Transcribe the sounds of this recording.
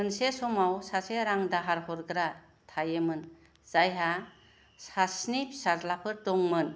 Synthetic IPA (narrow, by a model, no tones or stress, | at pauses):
ɯnsesɔmawsaseɾaŋdaɦaɾhɔɾɡɾa | tʰajemɯn | z̥ajɦa | sasnip̚sazlapʰɯɾdɔŋmɯn